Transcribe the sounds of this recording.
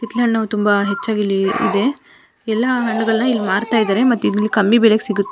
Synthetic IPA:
hit̪lɐɳnɐʋt̪umbɐɦet͡ʃːaːɡilːiḭd̪e̞ | ɛlːɐɦɐɳːuɡɐɭɐnɐilːimaːɾt̪aːjd̪aːɾemɐt̪ːuid̪ilːikɐmːibeleɡesiɡut̪ːe

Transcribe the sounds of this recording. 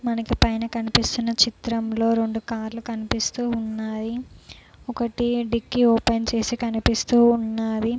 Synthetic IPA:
mɐnɐkipɐjnɐkɐnipist̪unːɐt͡ʃit̪ɾɐmlo̞ːɾe̞ɳɖukaːɾlukɐnipist̪uːunːaːji | ɔkɐʈiɖikːioːpent͡ʃe̞ːsikɐnipist̪uːnːaːʋi

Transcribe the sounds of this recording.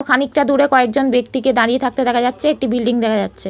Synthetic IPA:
kʰanikʈad̪uɾekɔek̚d͡ʑonbek̚t̪iked̪aɾijet̪ʰak̚t̪ed̪ɛkʰad͡ʑatːɕʰeek̚ʈibilɖiŋd̪ɛkʰad͡ʑatːɕʰe

